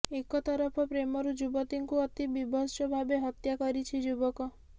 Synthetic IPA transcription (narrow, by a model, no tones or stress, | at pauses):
ekɔt̪ɔɾɔpʰɔpɾemɔɾud͡ʒubɔt̪iŋkuɔt̪ibibʱɔʃɔbʱabeɦɔt̪jakɔɾit͡ʃʰid͡ʒubɔkɔ